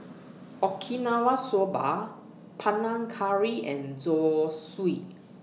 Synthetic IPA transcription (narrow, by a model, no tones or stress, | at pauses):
ʔɔkʰinawasɔba̰ | pʰanãŋkʰaɹiɛ̃nzɔswi